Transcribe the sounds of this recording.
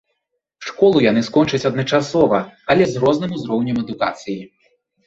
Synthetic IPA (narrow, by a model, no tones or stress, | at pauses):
ʂkɔlˠujanɨskɔnt͡ʂɐt͡sʲɐd̪nɐt͡ʂasɔvɐɐlʲɛzɾɔznɨmuzɾɔwnʲɐmɛd̪uka̰t̪sɨji